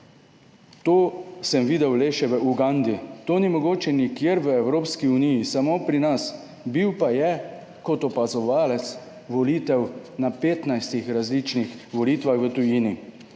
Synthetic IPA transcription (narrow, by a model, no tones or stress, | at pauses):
t̪oːsəmʋiːd̪ɛwleːʃɛʋəʔuɡand̪it̪oːnimɔɡoːt͡ʃɛnikjeːɾʋəɛwɾoːpskiunijisamoːpɾinas | biwpajɛ | kɔt̪ɔpazɔʋaːlɛt̪s | ʋɔliːt̪ɛwnapeːt̪najst̪ixɾazlit͡ʃnixʋɔliːt̪ʋaxʋət̪ujini